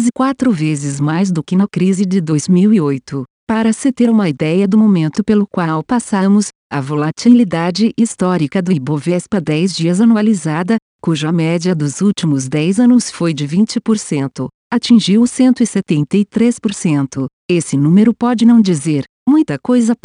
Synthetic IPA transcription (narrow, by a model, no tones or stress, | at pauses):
zɪkwat̪ɾʊvezɪzmajz̬d̪ʊkɪnɐkɾizɪd͡ʒɪd̪ojzmiwiojt̪ʊ | paɾɐsɪt̪eɾũmɐid̪ɛjɐd̪ʊmomẽnt̪ʊpelʊkwawpasɐmʊs | ɐ̰volat͡ʃilid̪ad͡ʒɪʔist̪ɔɾikɐd̪ʊibovespɐd̪ɛjzd͡ʒiɐzɐnualizad̪ɐ | kuʒɐmɛd͡ʒiɐd̪ʊzut͡ʃimʊzd̪ɛjzɐ̃nʊsfojd͡ʒɪvĩnt͡ʃɪpoɾsẽnt̪ʊ̰ | at͡ʃĩʒiwsẽnt̪ʊɪset̪ẽnt̪ɐjt̪ɾespoɾsẽnt̪ʊ | esɪnũmeɾʊpɔd͡ʒɪnɐ̃w̃d͡ʒizeɾ | mũj̃t̪ɐkojzɐ